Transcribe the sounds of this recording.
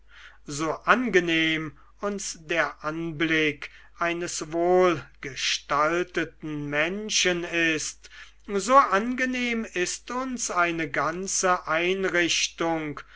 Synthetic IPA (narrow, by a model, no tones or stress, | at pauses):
zoːʔanɡəneːm | ʊnsdeːɐʔanblɪk | ʔaɪnəsvoːlɡ̥əʃtaltətn̩mɛnʃənɪst | zoːʔanɡəneːmɪstʊnsaɪnəɡant͡səʔaɪnʁɪɕtʊŋk